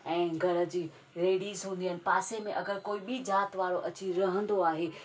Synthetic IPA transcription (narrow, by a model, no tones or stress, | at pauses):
ɛ̃ːɡʱɐɾə̆d͡ʑiː | ɾeːɽiːzɦũːn̆d̪ijənɪ̆paːsemẽʔɐɡəɾkoːiɓʱid͡ʑaːt̪ʋaːɽoʔɐt͡ɕiɾɐɦə̃nd̪oaːɦeː